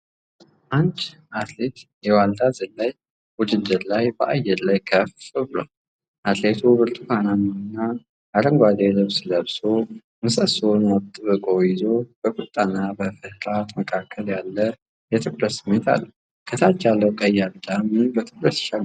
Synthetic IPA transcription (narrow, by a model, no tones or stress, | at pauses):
ʔant͡ʃ | at̪le̞t̪jɛwald̪azɨlaj | wʊd͡ʒɨd̪ːɨɾlajbəʔajːɛɾlajkʰəfɨβlo | ʔat̪le̞t̪ʰubɨɾt̪ʼufananəwnːa | aɾəŋɡʷad̪elɨβsləβso | mɨsəsonwɔt̪ʼːɨβɨkʼojɪzo̞b̥əkʼut̪ʼːanːabəfɨhɾat̪məkʰakʰːəljalːə | jɛt̪ʰɨkʼləsɨmːet̪ʰa̰lːu | kʰət̪ʰat͡ʃːalːəwkʼəjːald̪amɨbət̪ʰɨkʼɾəsʃaɡ